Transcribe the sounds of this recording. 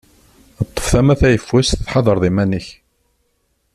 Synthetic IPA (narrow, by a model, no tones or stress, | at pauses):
t̪ˤːə̥fθæmæθæjəfːwæsθθħɑðˤəɾˤðˤimænəç